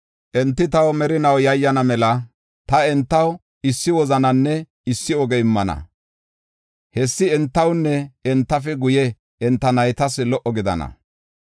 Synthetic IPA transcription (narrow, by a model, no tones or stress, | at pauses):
ʔɛnt̪ːɪt̪ɐwmɛɾɪnɐwjɐjːɐnɐmɛlɐ | t̪ɐɛnt̪ːɐw | ɪsːɪwɔzɐnɐnːɛ | ɪsːɪɔɡɛɪmːɐnɐ̰ | hɛsːɪɛnt̪ːɐwnːɛɛnt̪ːɐfɛɡʊjɛ | ɛnt̪ːɐnɐjt̪ɐslɔʔːɔɡɪd̪ɐ̰nɐ̰